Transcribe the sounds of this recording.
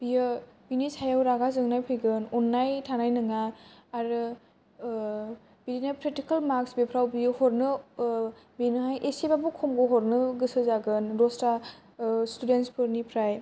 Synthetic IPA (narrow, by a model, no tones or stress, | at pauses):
b̥ijɯbinisajawɾaɡazɯŋnajpʰɯɡɯnɔnːajtʰanajnɯŋaːɾɯ | biɾinapʰɾetikalmaksbipʰɾawbijɯhɔɾnɯ | binɯɦajʔesebabukʰɔmɡɔɦɔɾnɯɡɯsɯzaɡɯnɾɔsta | studenspʰɯɾnipʰɾaj